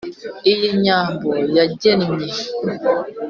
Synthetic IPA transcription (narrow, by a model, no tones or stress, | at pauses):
ijiɲãmbɔjaɟɛnɲɛ